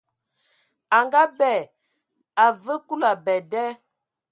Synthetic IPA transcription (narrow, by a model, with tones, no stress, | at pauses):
a˨ŋɡa˦bɛ˨ | a˨və˦ku˦la˨bɛ˨dɛ˦